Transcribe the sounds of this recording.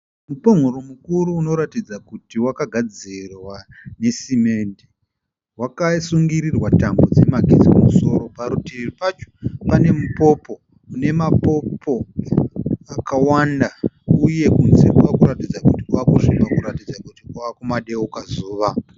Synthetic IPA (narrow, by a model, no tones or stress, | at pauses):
mupoŋ̤uɾumukuɾuːno̞ɾatid͡zakutiwakaɡʱad͡zirwa | ne̞sime̞nde | wakasuŋɡiɾirwatambo̞d͡zemaɡʱḭzikumuso̞ɾo̞paɾutiripat͡ʃo̥pane̞mupo̞po̞ | une̞mapo̞pʰo̞ | akawanda | uje̞kunzekuakuɾatid͡zakutiwakuʂikakuɾatid͡zakutiuakumaɗeukazuːʋa